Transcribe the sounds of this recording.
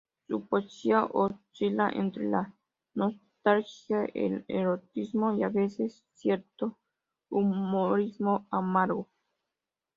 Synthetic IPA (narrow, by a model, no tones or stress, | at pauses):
supot͡ʃiaʔot͡ʃilaʔḛnt̪ɾḛla | nost̪alxjaḛlḛɾot̪ismojaβesesːjeɾt̪o | umoɾizmoamaɾɣo